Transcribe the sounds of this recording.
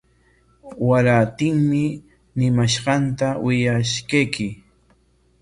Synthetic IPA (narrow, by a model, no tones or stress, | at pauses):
waɾat̪ɪŋmɪ | nɪmaʃɢɑnt̪awɪjaʃkajkɪ